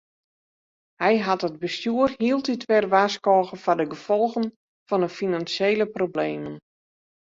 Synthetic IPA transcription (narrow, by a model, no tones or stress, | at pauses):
hɛjɦatəd̚bəstjuərhiəlˠtitʰʋɛrʋaskɔːɣəfɔdəɡəfɔlˠɣən | fɔnəfinansjeːləprobleːmən